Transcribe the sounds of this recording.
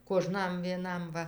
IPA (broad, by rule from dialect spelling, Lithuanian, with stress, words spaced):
koːˈʒnɐm ʋʲiɛˈnɐm ˈʋɐ